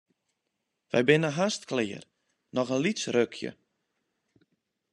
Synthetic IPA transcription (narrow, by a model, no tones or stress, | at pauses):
ʋɛ̰jbɪnəɦastklɪər | nɔχənlisrøkʰjə̰